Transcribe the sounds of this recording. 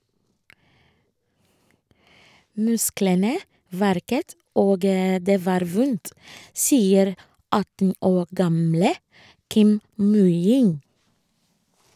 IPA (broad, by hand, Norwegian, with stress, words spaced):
ˈmʉsklənə ˈʋæɾkət ˈoːɡ ə ˈdeː ˈʋɑːɾ ˈʋʊnt ˈsiːəɾ ˈɑtn̩ ˈoː ˈɡɑmlə ˈkɪm ˈmʉjɪn